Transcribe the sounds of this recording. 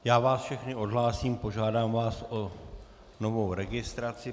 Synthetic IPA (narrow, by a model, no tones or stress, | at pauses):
jaːvaːsfʃɛxnɪo̞dɦlaːsiːmpo̞ʒaːdaːmvaːso | no̞vo̞wɾɛɡɪst̪ɾat͡sɪ